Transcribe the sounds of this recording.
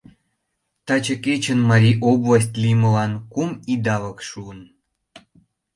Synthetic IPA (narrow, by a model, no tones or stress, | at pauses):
t̪ɑt͡ɕəket͡ɕənmɑɾʲiʔoblˠas̬ʲt̪ʲlijmə̆lɑnkumid̪ɑvə̆kʃuən